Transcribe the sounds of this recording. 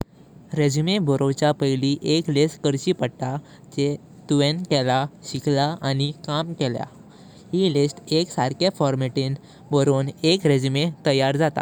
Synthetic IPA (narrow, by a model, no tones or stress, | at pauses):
ɾed͡ʑimebɔɾowt͡ɕapəjliʔeklesʈkəɾɕipəɽʈ̪a | d͡ʑe | t̪uʋenkɛlaɕikʰlaanikamkɛlja̰ | ɦilesʈeksaɾkefɔɾmeʈiːn | bɔɾonekɾed͡ʑimet̪əjaɾd͡zat̪a̰